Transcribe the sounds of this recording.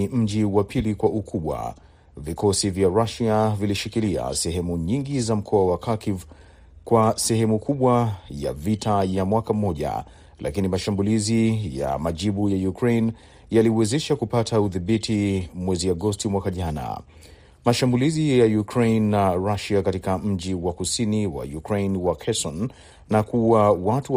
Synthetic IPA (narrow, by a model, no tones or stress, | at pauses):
im̩d͡ʒiwapʰilikwaʔukʰuɓwa̰ | vikɔsivjaɾaʃiaviliʃikilia̰sɛɦɛmuɲiŋɡizam̩kʰɔawakʰakiv | kwasɛɦɛmukʰuɓwaja̰vitʰajamwakam̩mːɔʄa̰ | lʔa̰kinimaʃambulizija̰maʄiɓujajukɾejn | jaliwɛzɛʃakupatʰauðiɓitʰimwɛziaɡɔstimwakaʄana̰ | maʃambulizijajukɾejnːaɹaʃiakatikam̩ʄiwakusiniwa̰jukɾejnwakʰɛsɔnː | akuwawatu